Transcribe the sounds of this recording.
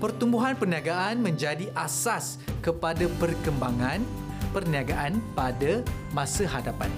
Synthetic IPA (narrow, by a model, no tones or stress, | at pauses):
pərt̪umbuɦanpərniaɡaʔanmə̃ɲd͡ʒadiʔasas | kəpadapərkəmbaŋãn | pərniaɡaʔanpada | mãsəhadapa̰n